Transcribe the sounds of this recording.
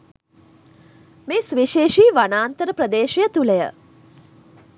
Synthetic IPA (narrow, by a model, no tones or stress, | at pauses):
meːsʋiʃeːʃiːʋanaːnt̪əɾəpɾəd̪eːʃjət̪uləjə̰